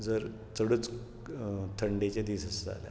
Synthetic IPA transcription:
d͡zəɾ | t͡səɽət͡s | t̪ʰəɳɖet͡ɕed̪isəsa̰lja̰

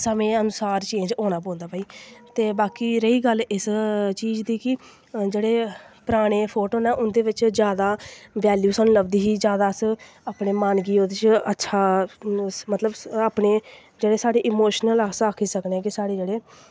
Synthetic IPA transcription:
səmẽːənʊsaːɾt͡ʃẽːɲd͡ʒõːñaːpõːnd̪aːpaːiːt̪eːbaːkiːɾəiːɡəlɪst͡ʃiːd͡ʒd̪iːkɪ | d͡ʒeːɽeːpɾaːɽ̃eːpʰoːʈoːnãːʔʊnd̪eːʋɪt͡ʃd͡ʒjaːd̪aːʋɛːljuːsəːnːləbd̪iːɦiːd͡ʒjaːd̪aːs | aːpneːmaːnɡiːoːd̪ɪt͡ʃətːʃʰaː | mət̪ləbaːpɳeː | d͡ʒeːɽeːsaːɽeːʔɪmoːʃnəlaːsaːkʰiːsəkneɛːkɪsaːɽeːd͡ʒeːɽeː

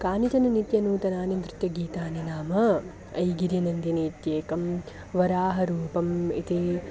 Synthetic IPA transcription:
kaːnit͡ʃɐnunit̪jɐnuːt̪ɐnaːnɐnt̪ɾɪt̪jɐɡiːt̪aːninaːmɐ | ɐjɡiɾjɐnɐnd̪ineːt̪jeːkɐm | ʋɐɾaːɦɐɾuːpɐmḭt̪i

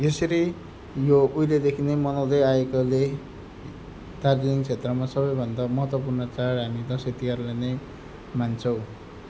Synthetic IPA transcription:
jesʌɾi | joujled̪ekʰinemʌnawd̪ʌjaekole | t̪ard͡zanikt͡sʰet̪rʌmasʌbʌjbʱʌnd̪amʌɦʌt̪wʌpurnʌt͡saɽɦamit̪ʌ̃sit̪ikarlene | mant͡sʰʌw̃

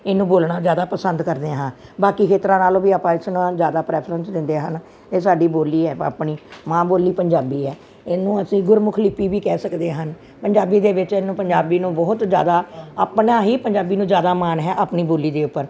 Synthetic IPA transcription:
ɪnːũːboːlɳaːzjaːd̪aːpəsənd̪kəɾd̪eɦãːbaːkiːkʰeːt̪ɾãːnaːlõːʋiːaːpãːɪsnãːzjaːd̪aːpɾɛːpʰɾənsd̪ɪ̃nd̪eːɦən | eːsaːɖiːboːliːɛːa̰ːpɳiːmãːboːliːpəɲd͡ʒaːbiːɛː | ɪnũːəsĩːɡʊɾmʊkʰliːpiːʋiːkɛːsəkd̪eːɦən | pəɲd͡ʒaːbiːd̪eːʋɪt͡ʃɪnːũːpəɲd͡ʒaːbiːnũːbɔɦʊt̪d͡ʒja̰ːd̪aːaːpnãːɦiːpəɲd͡ʒaːbiːnũːzjaːd̪aːmaːnɦɛːʔaːpniːboːliːd̪eːʊpːəɾ

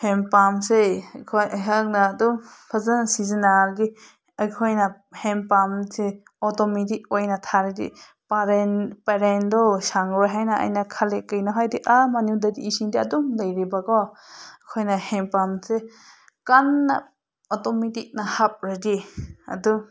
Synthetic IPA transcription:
hempamsekʰɔjɦaŋnaːdumpʰazansizinaɾɡi | ajkʰɔjna | hɛmpamse | ɔtɔmitik̚ɔjnatʰaɾɯdḭ | paɾnpaɾendɔsaŋɾaɦajnaʔa̰jnakʰalekɯjnɔɦajdiʔamanudadiːsindiɐdumlajɾibakɔjkʰɔjnahɛmpamse | kanːa̰ | ɔtɔmitik̚nahap̚ɾadia̰du

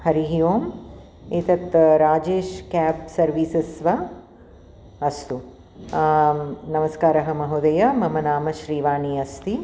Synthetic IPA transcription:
hɐɾiɦijoːm | eːt̪ɐt̪ɾaːd͡ʒeːʃkaːpsɐɾʋiːsɐsʋɐ | ɐst̪u | nɐmɐskaːɾɐɦɐmɐɦud̪ɐjɐmɐmɐnaːmɐʃɾiːʋaːɳiɐst̪i

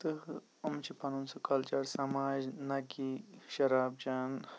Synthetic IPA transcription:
t̪ɨh | umt͡ʃʰipɐnunsukʰɐlt͡ʃɐɽsɐmaːʒnɐkiʃɐɾaːb̚d͡ʒaːn

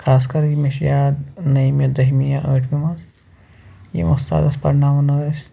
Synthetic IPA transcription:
kʰaːskɐɾjimeʃjaːd̪nɐjmjad̪ɐɦmijaʔəːʈʰmimaz | jḭmɐst̪a̰ːd̪ɐspɐ̰ɾnaːmɐnɐːes

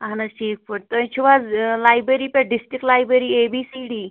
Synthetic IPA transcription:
aɦnaʈʰiːk̚fəɽt̪ət͡ɕʰuʋad͡zlajbɾeɾiːpaɖisʈɾik̚lajbɾeɾiːebisiɖiː

